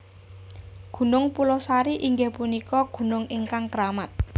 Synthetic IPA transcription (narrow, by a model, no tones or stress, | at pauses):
ɡ̥ṳnʊŋpulɔsaɾiʔiŋɡepunikɔɡ̥ṳnʊŋiŋkaŋkəɾamat̪̚